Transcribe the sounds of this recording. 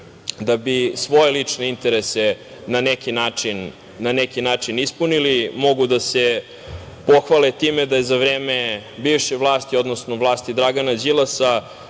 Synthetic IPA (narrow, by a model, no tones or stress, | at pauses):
d̪abisʋo̞jelit͡ʂne̞int̪eɾese | nanekinaːt͡ʂinː | anekinaːt͡ʂinispunilimo̞ɡud̪ase | po̞xʋalɛt̪iːmed̪ajezaʋɾeːmebiːʋʃeʋlˠaːst̪io̞d̪nosnovlˠaːst̪id̪ɾaɡanad͡ʑilˠasa